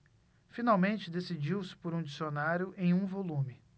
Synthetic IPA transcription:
finawmẽnt͡ʃɪd̪esid͡ʒiwsɪ̥poɾũd͡ʒisionaɾjʊʔẽj̃ũvolũmɪ

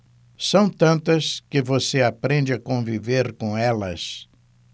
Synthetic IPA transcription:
sɐ̃w̃t̪ɐ̃nt̪ɐskɪvoseapɾẽnd͡ʒɪakõviveɾkõɛlɐs

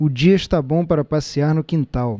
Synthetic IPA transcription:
ʊd͡ʒiɐɪʃt̪abõw̃paɾɐpasiaɾnʊkĩnt̪aw

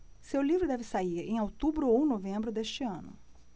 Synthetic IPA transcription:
sewlivɾʊd̪ɛvɪsaiɾḛ̃j̃awt̪ubɾʊownovẽmbɾʊd̪est͡ʃɪɐ̃nʊ̰

